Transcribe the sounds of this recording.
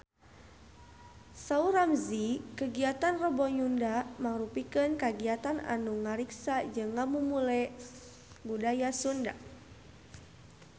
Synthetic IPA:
sauɾamzikəɡiat̪anrɔbɔɲundamaŋɾupikənkaɡiat̪ana̰nuŋaɾiksad͡ʒɨŋːamumulɛ | budajasunda̰ʔ

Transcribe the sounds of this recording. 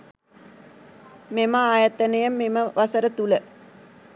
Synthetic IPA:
meməaːjɐt̪ɐnejɐmːeməʋɐsəɾət̪ulə

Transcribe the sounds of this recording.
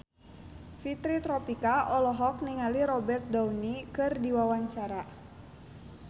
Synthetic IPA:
fit̪ɾit̪ɾɔpikaʔɔlɔɦɔk̚niŋaliɾɔbɛrt̪̚daunikɨrdiwawaɲt͡ʃaɾa

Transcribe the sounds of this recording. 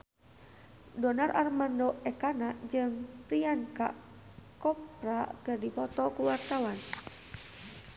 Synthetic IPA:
dɔnarʔarmandɔɛkanaʔd͡ʒɨŋpɾianka̰ | kɔpɾakɨrdipɔt̪ɔkuwart̪awan

